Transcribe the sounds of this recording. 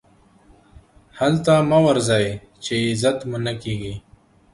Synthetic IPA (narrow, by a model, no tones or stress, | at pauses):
halt̪amawaɾzaːj | t͡ʃeɪzat̪munakeːɡi